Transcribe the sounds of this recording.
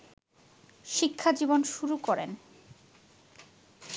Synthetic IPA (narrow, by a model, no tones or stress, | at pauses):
ʃikʰːad͡ʑibonʃuɾukɔɾḛn